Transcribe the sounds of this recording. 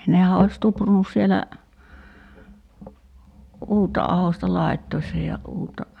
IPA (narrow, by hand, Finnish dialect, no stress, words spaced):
nehæ ois tuprunus sielæ uːtːɑ ɑhostɑ lɑi̞tːoisːɑ jɑ uːtːɑ